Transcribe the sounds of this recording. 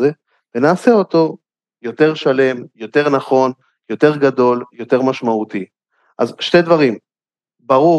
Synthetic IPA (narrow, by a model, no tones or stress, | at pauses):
e | venaːseo̞t̪o̞ | jo̞t̪e̞ʁʃale̞mjo̞te̞ʁnaχo̞n | jo̞t̪e̞ʁɡad̪o̞ljo̞t̪e̞ʁmaʃmaut̪i | ʔazʃte̞d̪vaʁim | baʁu